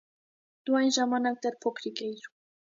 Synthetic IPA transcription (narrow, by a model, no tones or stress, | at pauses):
d̪̥uɑjnʒɑmɑnɑk̚d̪ɛɾpʰɔkʰɾikɛiɾu